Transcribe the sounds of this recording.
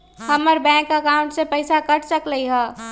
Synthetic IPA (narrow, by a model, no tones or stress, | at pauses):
həməɾbɛ̃ːŋkəkaʊ̃ɳʈsepəɪsakəʈʰsəkləiɦɛ̃ː